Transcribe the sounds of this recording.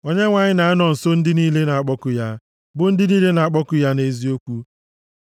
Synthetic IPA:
o˦ɲe˦ŋʷa˨ɲɪ˦na˨a˦nɔ˨n̩˨so˦n̩˦dɪ˦niː˦le˦na˨a˦k͡pɔ˦kʊ˦ja˦ | bʊ˨n̩˦dɪ˦niː˦le˦na˨a˦k͡pɔ˦kʊ˦ja˦ne˦zi˦o˦kʷu˦

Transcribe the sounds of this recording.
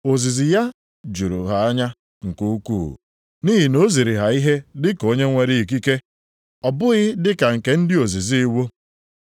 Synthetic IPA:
o˨zi˨zi˨ja˦ | d͡ʒu˨ɾṵ˨ɦa˨a˦ɲa˦ | ŋ̩˨ku˦kṵ˦˨ | ni˦ɦi˨no˦zi˨ɾi˨ɦa˨i˦ɦe˦dɪ˦ko˦ɲe˦ŋʷe˨ɾi˦i˨k̬i˦ke˦ | ɔ˨bʊ˦ɣɪ˦dɪ˦ka˨ŋ̩˨ke˨n̩˦dɪ˦o˨zi˨zi˦i˦wo˦

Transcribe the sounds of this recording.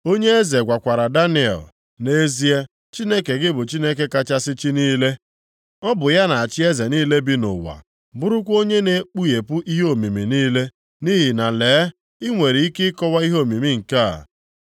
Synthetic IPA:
o˦ɲe˦e˦ze˨ɡʷa˨kʷa˨ɾa˨da˦ni˦˨˦ɛ̰˨l | ne˦zi˦e˦ | t͡ʃi˦ne˦ke˨ɡɪ˦bʊ˨t͡ʃi˦ne˦ke˦ka˦t͡ʃa˦sɪ˦t͡ʃi˦niː˦le˦ | ɔ˦bʊ˨ja˦na˨a˨t͡ʃɪ˦e˦ze˨niː˦le˦bi˦nʊ̰˨wa̰˨ | bʊ˦ɾʊ˦kʷo˦ɲe˦ne˨˦k͡pu˦je˨pʊ˦ʔi˦ɦo˦˨mi˨mi˨niː˦le˦ | ni˦ɦi˨na˨leː˨˦ | ɪ˦ŋʷe˨ɾi˨i˦kɪ˦kɔ˦wa˦i˦ɦo˦˨mi˨mi˦ŋ̩˨ka̰˦˨

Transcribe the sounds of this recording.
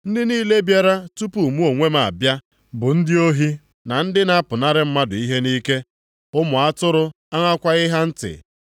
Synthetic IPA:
n̩˦dɪ˦niː˦le˦bja˦ɾa˦tu˦pu˨mu˦o˨ŋʷe˦ma˨a̰˨bja˦ | bʊ˨n̩˦dɪ˦o˦ɦi˦ | na˨n̩˦dɪ˦na˦a˦pʊ˨na˦ɾɪ˦m̩˦ma˦dʊ˨i˦ɦe˦niː˦ke˦ | ʊ˦mʊ˨a˦tʊ˦ɾʊ˦ | a˦ŋʷa˦kʷa˦ɣɪ˦ɦa˦n̩˦tɪ̰˨

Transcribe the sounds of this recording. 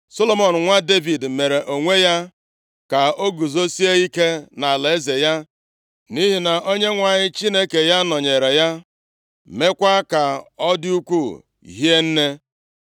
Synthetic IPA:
so˦lo˦mɔ˨n̩˨ŋʷa˦de˦vi˨dme˨ɾe˨ʔo˨ŋʷe˦ja˦ | ka˨o˦ɡu˨zo˦si˦e˦i˦ke˦na˨le˨e˦ze˨ja˦ | ni˦ɦi˨na˨ʔo˦ɲe˦ŋʷa˨ɲɪ˦t͡ʃi˦ne˦ke˨ja˦nɔ˨ɲe˨ɾe˨ja˦ | me˦kʷa˦ka˨ɔ˦dɪ˦u˦kʷu˦˨ | ɦi˦e˦n̩˦ne˦

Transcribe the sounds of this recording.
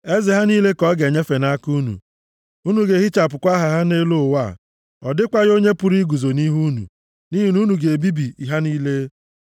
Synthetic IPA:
e˦zɪ˨ɦa˦niː˦le˦kɔ˦ɡe˨ɲe˦fe˨na˦ku˦nṵ˨ | u˦nu˨ɡe˨ɦi˦t͡ʃa˨pʊ˨kʷa˦ɦa˦ɦa˦ne˦lo˦˨wa˦˨ | ɔ˨dɪ˦kʷa˦ɣo˦ɲe˦pu˨ɾi˦ɡu˨zo˨ni˦ɦu˦nṵ˨ | ni˦ɦi˨nu˦nu˨ɡe˨bi˦bi˨i˨ɦa˦niː˦le˦

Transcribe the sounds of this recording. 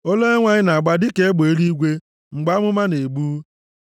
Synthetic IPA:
o˦le˦ŋʷa˦ɲɪ˦na˨a˨ɡ͡ba˦dɪ˦ke˦e˦ɡ͡be˨e˦ɾi˦ɡʷe˦ | ŋ͡m̩˨ɡ͡ba˦mʊ˦ma˦ne˨ɡ͡buː˦

